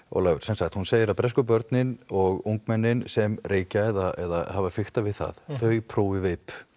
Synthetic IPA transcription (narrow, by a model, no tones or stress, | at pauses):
ɔ̰ɣlaːɣʏsɛnsaxt̪hunseːjɪɾapɾɛskʏpœɾt̪nɪnɔɣuwŋkmɛnːɪnsɛmreːcaɛðaɛ̰ða̰havafɪxht̪avɪðθa̰ðθœːɥpʰɾoːwɪveːjp